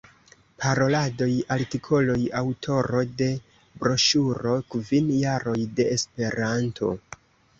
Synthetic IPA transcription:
pʰaɾo̞lado̞jaltikʰo̞lojawtʰo̞ɾo̞de̞ | bɾo̞ʃuɾo̞kvinjaɾo̞jde̞ːspe̞ɾantʰo̞̰

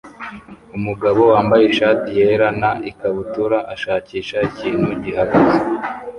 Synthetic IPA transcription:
umuɡaβo̞waːmbajeʃaːtijeɾanaʔikaβutuɾaʔaʃaːciːʃaiciːn̥huɟiɦaɡaze

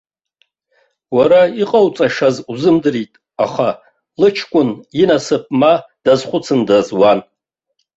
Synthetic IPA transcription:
waɾaiqʼawt͡sʼaʂazuzɨmdɨritʼ | aχa | lɨt͡ʃʰkʷʼʊninasɨp̚ʼmad̥azχʷʊt͡sʰɨndazwan

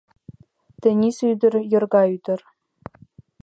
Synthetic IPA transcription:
t̪ɘ̆nʲisyd̪ɘ̆rjɤ̆rɡɑyd̪̥ʲɘ̆r

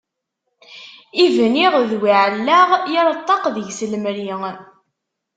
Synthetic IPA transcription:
ivniʁðwiʕəlːaʁjɪɾˤət̪ˤːɑqðəʝsəlmɾiŋ

